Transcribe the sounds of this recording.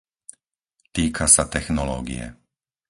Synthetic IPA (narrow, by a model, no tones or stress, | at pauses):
t̪iːkʰasat̪ɛxnɔlɔːɡḭjɛ̰